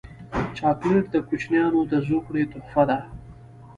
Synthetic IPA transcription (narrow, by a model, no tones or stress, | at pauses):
t͡ʃɑkləɾd̪əkʊt͡ʃnjɑnod̪əzukɽet̪ʊχfad̪a